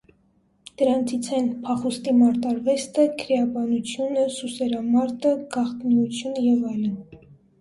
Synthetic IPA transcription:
d̪̥əɾɑnt͡sʰit͡sʰɛnpʰɑχust̪imɑɾt̪ɑɾvɛst̪əkʰəɾɛɑbɑnut͡sʰjunəsusɛɾɑmɑɾt̪əɡ̥ɑχt̪nut͡sʰjunjɛvɑjlən

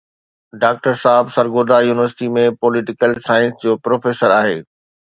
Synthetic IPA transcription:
ɖaːk̚ʈəɾsaːɦɪbsɐɾɡoːd̪ajuːnɪʋəɾsɪ̥ʈimẽpɔːlɪʈɪkəlsaːɪ̃nsd͡ʑoːpɾoːfeːsəɾaːɦḛː

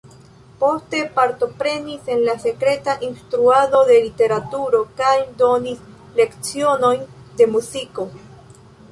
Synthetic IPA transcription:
po̞ste̞paɾto̞pɾe̞nise̞nlase̞kɾe̞taʔinstɾuado̞de̞lite̞ɾatuɾo̞kajdo̞nis | le̞kt͡sio̞no̞jnde̞muziko̞

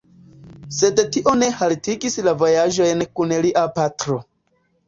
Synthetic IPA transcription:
se̞dtiʔo̞ne̞haltiɡislavo̞jaʒo̞jnkunliʔapatɾo̞

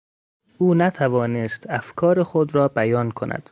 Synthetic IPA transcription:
ʔuːnæt̪ʰævɒːnest̪æfkʰɒːɾexod̪ɾɒːbæjɒːnkʰonæ̰d̪̥

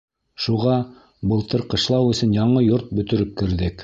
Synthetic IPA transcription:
ʃuʁɑ | bɤ̆lˠt̪ɤɾqɤ̆ʃlˠɑwɵ̆sɵnjɑɴɤjoɾt̪̚bɵ̆t̪ɵ̆ɾɘp̚kɘ̆ɾðɘk

